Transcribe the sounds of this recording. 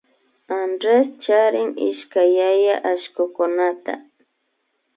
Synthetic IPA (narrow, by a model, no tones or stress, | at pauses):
andɾest͡ʃaɾɪŋɪ̰ʃkajajaʔaʃkʊkʊnat̪a̰